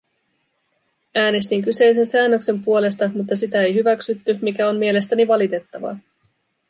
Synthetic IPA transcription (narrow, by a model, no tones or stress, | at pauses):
æːne̞st̪iŋk̬yse̞js̬e̞nsæːnːøkse̞mpuo̞le̞s̬t̪ɑmut̪ːɑsit̪æe̞jɦyʋæksyt̪ːymik̟æo̞mmie̞le̞st̪æniʋɑlit̪e̞t̪ːɑʋɑ̰